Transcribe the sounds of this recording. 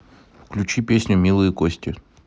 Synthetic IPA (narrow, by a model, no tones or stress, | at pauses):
fklʲʉt͡ɕipʲesʲnʲʊmʲilˠɨjəkosʲtʲɪ